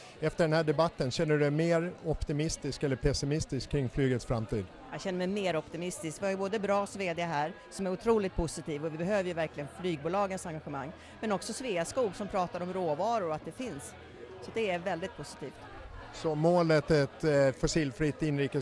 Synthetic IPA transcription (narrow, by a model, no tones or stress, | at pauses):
ɛft̪əɖɛnhæːɖɛbat̪ːənɕɛnːəɖɵɛmeːɾɔpt̪ɪmɪst̪ɪskɛlːəɾpʰɛsɪmɪst̪ɪskʰːɾɪŋːflyːɡət̪sfɾamt̪ʰiːd̪ | jɑɕɛnːəmɛjmeːɾɔpt̪ɪmɪst̪ɪskvɪhajʏboːd̪əbɾɑːsveːd̪ɪaɦæːɾsɔmæɾʊt̪ʰɾuːlɪt̪̚pʰʊsɪt̪ʰiːvɔvɪbɛɦøːvəɾjɵvæɾklɪɡənflyːɡ̚buːlɑːɡənsaŋɡaɧəmaŋː | mɛnɔksɔsveːaskuːɡsɔmpʰɾɑːt̪aɾɔmɾoːvɑːɾʊɾat̪̚d̪ɛfɪns | sɔd̪ɛæɾvɛld̪ɪt̪̚pʰʊsɪ̥t̪ʰiːft̪ | sɔmoːlət̪ɛt̪fɔsiːlfɾit̪ːɪnɾiːkə